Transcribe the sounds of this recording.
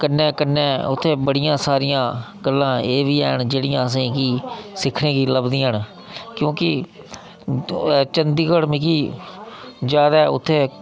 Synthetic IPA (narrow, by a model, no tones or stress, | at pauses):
kənːẽːkənːẽːʊt̪ʰːeːbəɽɪjãːsaːɾɪjãːɡəlːãːeːʋiːɛ̰ːɳd͡ʒeːɽɪjãːəs̬ĩːkiːsɪkʰɽẽːkiːləbd̪ĩːəɳ | kjõːkɪ | t͡ʃənd̪iːkəɽmɪkiː | d͡ʒjaːd̪aːʊ̰t̪ʰːeː